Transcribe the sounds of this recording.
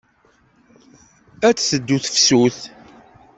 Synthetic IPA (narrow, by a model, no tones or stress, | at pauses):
æt͡sːsəd̪ːuθə̥fsuθ